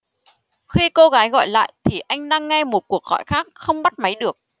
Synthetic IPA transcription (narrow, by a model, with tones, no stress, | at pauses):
xi˧ko˧ɣaː˨˦jɣɔ̰˧˨jla̰ː˧˨jt̪ʰi˨˩ʔa˧jŋ̟ɗaː˧ŋːɛ˧mo˨˩t̚ku˨˩ək̚ɣɔ̰˧˨jxaː˦˥k̚xə˧wŋ͡mɓa˦˥t̚ma˨˦jɗɨ˨˩ək̚